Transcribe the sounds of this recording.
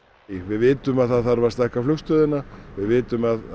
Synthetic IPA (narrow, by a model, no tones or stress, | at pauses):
vɪðvɪːt̪ʏmaðθaðθaɾvaɾst̪ahkaflʏxst̪œːðɪnavɪðvɪːt̪ʏmað